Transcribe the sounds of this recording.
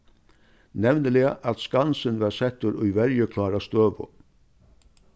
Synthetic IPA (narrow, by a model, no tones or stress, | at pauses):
nɛvnəlɪaʔat̪skansɪnvaɾsɛt̪ːʊɾʊjvɛɾjəkʰlaːɾast̪øːʋʊ̰